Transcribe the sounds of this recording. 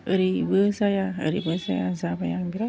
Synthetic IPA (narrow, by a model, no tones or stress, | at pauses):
əɾibəsajaə̰ɾibəsaja̰sapajaŋbiɾa